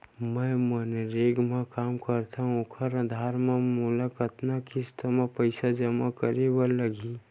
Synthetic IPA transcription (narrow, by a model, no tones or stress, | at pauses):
mə̃məneɾeːɡmẽkaːmkəɾt̪ʰaɦũokʰəɾəd̪ʱaːɾmẽmulakət̪nakist̪ʰəmẽpəɪsad͡ʒəmakəɾebəəɡi